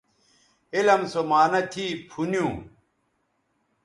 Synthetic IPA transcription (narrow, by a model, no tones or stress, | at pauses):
elɐmsomaːnɐt̪ʰiːpʰunjũ